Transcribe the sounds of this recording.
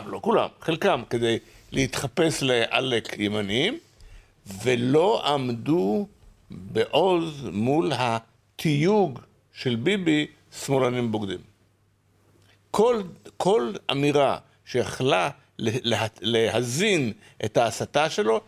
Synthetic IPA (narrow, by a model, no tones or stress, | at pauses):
vlokula̰mχelkamked̪e̞jleit̪χape̞sleʔa̰lekʰjemanim | velo̞ʔamdu | beʔo̞zmulɦa | tʰijuɡ | ʃe̞lbibi | smolanimboɡd̪im | kkʰo̞la̰miʁa | ʃejaχla | ealehazin | ʔethaːsataʃe̞lo̞